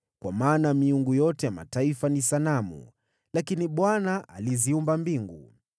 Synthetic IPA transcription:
kwamaːnamiuŋɡujɔtɛjama̰taifanisanamṵ | lakiniɓwanaa̰liziumbambiŋɡṵ

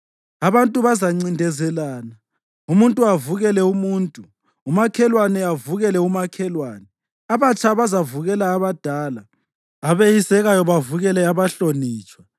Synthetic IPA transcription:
aβantʼuβazaŋ͡ǀindʱɛzɛlaːna | umuntʼuavuɣɛlɛumuːntʼuː | makʰɛlwanɛavuɣɛlɛumakʰɛlwaːnɛ | aβat͡ʃʼaβazavuɣɛlaːβad̥ʱaːlaː | βejisɛɣajɔβavuɣɛlɛaβaɬoniːt͡ʃʼwa

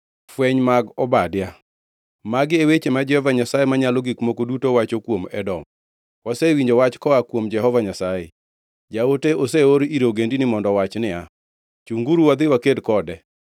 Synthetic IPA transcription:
fwɛɲmaɡɔbadja | maɡɪewet͡ʃemad͡ʒɛhɔvaɲasajemaɲaloɡikmokodutowat͡ʃokwomɛ̰dɔm | wasewiɲd͡ʒowat͡ʃkɔakwomd͡ʒɛɦɔvaɲasajḛ | d͡ʒaoteʔoseoɾiɾoɡendinɪmɔndɔwat͡ʃnɪa | t͡ʃuŋɡuɾuwad̪ɪwakedkɔdɛ

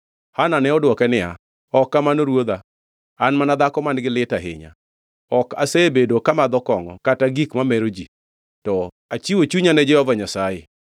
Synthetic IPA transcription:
hananɛɔdwɔkɛnɪa̰ | ɔkːamanoɾwod̪a | anmanad̪akɔmanɡɪlɪtaɦɪ̰ɲa̰ | ɔkasebedokamad̪ɔkɔŋɔ̰kataɡikmamɛɾod͡ʒi | tɔ | at͡ʃiwot͡ʃuɲanɛd͡ʒɛhɔvaɲasaje

